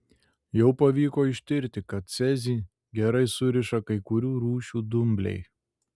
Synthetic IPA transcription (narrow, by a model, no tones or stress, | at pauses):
jɛʊpɐʋʲiːkoːɪʃʲt̪ʲɪɾʲt̪ʲɪkɐt̪sʲɛzʲiː | ɡʲɛɾɐɪsʊɾʲɪʃɐkɐɪkʊɾʲuːɾuːʃʲuːd̪ʊmʲbʲlʲɛ̰ɪ